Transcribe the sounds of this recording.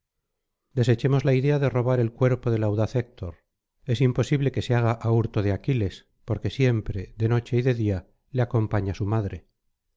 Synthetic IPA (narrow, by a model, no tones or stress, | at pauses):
d̪e̞se̞t͡ʃe̞mo̞zlaiðe̞aðero̞β̞aɾe̞lkwe̞ɾpoðe̞lawðaθek̚t̪ʰo̞ɾ | e̞simpo̞siβle̞ke̞seaɣaʔauɾt̪oð̞eakile̞s | po̞ɾke̞sje̞mpɾe̞ðe̞no̞t͡ʃe̞iðe̞ðia | leako̞mpaɲasumaðɾe̞